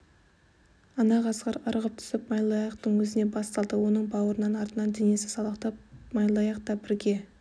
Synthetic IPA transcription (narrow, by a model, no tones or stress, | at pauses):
ɑnɑʁɑzʁɑɾɑɾəʁəp̚t̪ʰʏ̥sɪpmɑjlˠɑjɑqt̪əɴwɵzɪne̞bɑst̪ɑlˠd̪əwo̞nəɴbɑwəɾənɑnɑɾt̪ənɑnd̪enje̞sɪ̥sɑlˠəqt̪ɑp̚mɑjlˠɑjɑqt̪ɑbɪɾɡʲe̞